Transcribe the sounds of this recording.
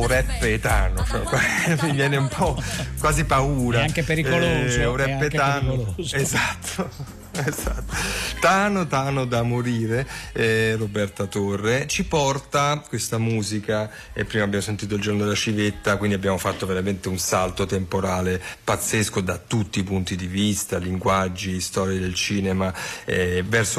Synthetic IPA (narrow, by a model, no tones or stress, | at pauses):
uɾɛpːet̪aːnot͡ʃɛkwamivjɛːneumpʰɔkwaːzipauːɾaŋkepeɾiuɾɛpːet̪anoezat̪ʰːo | ezat̪ːot̪anot̪anod̪amoɾiːɾe | robɛrt̪at̪orːet͡ʃipɔrt̪akwest̪amuːzika | ḛpːɾiːmabːjamosent̪iːt̪̬oild͡ʒornod̪elat͡ʃivet̪ːakwind̪iabːjaːmofat̪ːoveɾament̪eunsalt̪ot̪empoɾaːlepat̪sːeskod̪at̪ut̪ːipunt̪id̪ivist̪aliŋɡwad͡ʒːist̪ɔːɾjid̪elt͡ʃiːnemaɛvɛrso